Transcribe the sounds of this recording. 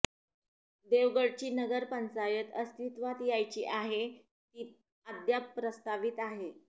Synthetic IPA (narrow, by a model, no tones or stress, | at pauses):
d̪eʋɡəɽt͡ɕiːnəɡəɾpənt͡sajət̪əst̪it̪ʋat̪jajt͡ɕiːʔaɦe | t̪iː | ad̪japːɾəst̪aʋiːt̪aɦe